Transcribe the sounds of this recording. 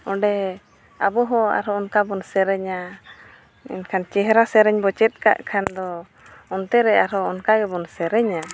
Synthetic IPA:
ɔɖɛ | abɔɦɔ̃a̰ɾɔɔnkabɔnsɛɾɛɲa | ɛ̰nkʰant͡ʃɛɦɾasɛɾɛɲbɔt͡ʃɛt̪̚ˀka̰ʔkʰand̪ɔ | ɔnt̪ɛɾɛaɾɔɔnkaɡɛbɔnsɛɾɛɲa

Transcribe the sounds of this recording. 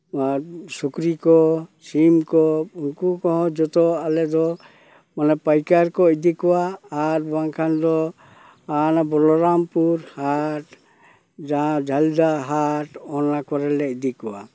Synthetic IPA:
asukɾikɔt͡ʃimkɔunkukɔɦɔ̃d͡ʒɔt̪ɔalɛd̪ɔ | manɛpajkaɾkɔid̪ikɔwaːɾbaŋkʰand̪ɔ | anabɔlɔɾampuɾhaʈ | d͡ʒaɦãd͡ʒʱald̪aɦaʈɔnakɔɾɛlɛid̪ikɔwa̰

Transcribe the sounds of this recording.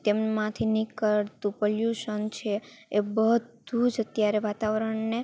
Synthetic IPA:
t̪emmãt̪ʰinikəɭt̪ũpoljuʃənt͡ʃʰeebəɦd̪ud͡ʒət̪jaɾeʋat̪aʋəɾəɳne

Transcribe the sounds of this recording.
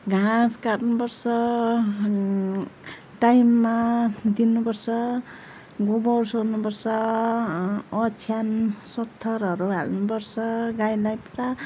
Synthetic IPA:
ɡʱaskarnupʌrsʌ | ʈajmːad̪inːupʌrsʌ | ɡobʌwsonupʌrsʌ | t͡sʰjansʌt̪ʰːʌɾʌɾuɦa̰lnupʌrsʌɡajlajpʈa

